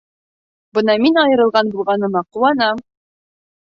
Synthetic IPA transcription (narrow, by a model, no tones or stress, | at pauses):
bɤnɑminɒjɤ̆ɾɤ̆lˠʁɑnbulˠʁɑnɤ̆mɑquwɑnɑm